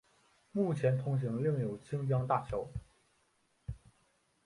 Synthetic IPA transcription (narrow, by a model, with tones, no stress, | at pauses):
mu˥˩t͡ɕʰjɛ˧˥nt̪ʰʊ˧˥ŋɕ̬i˧˥ŋli˥˩ŋjo˨˩ʊt͡ɕʰi˥ŋpjɑ˥ŋt̪a˥˩t͡ɕʰjo˧˥ʊ